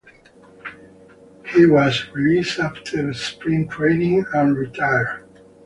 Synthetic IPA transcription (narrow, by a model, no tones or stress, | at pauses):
hiwʌzɹilisaftʰə˞spɹĩŋtʰɹ̥ẽɪnɪ̃ŋə̃nɹitʰaɪə̥˞